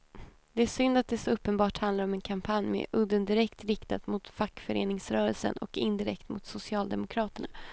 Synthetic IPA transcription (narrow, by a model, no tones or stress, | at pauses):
d̪ɛæʂʏnd̪at̪̚d̪ɛsɔɵpːənbɑːʈhand̪laɾɔmɛnkʰampʰanjmɛ̰ʔɵd̪ənd̪ɪɾɛkt̪ɾɪkt̪at̪mʊt̪fakːfœɾḛːnɪŋsɾœːɾəlsə̰nɔ̰kɪnd̪ɪɾɛ̰kt̪mʊ̰t̪sʊsɪɑːld̪ɛmʊkʰɾɑːt̪əɳa̰